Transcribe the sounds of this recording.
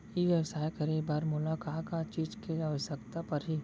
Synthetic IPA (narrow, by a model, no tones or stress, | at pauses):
jiʋjəwsaːjkɐɾibaːɾmʊlaːkaːkaːt̪t͡ʃiːd͡ʒkeaʋəʃəkt̪apɐɾɦiː